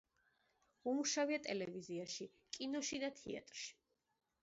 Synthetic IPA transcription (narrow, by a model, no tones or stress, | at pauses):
umuʃaviat̪ʼɛlɛviziaʃi | kʼinɔʃid̪at̪ʰḭa̰t̪ʼɾʃi̥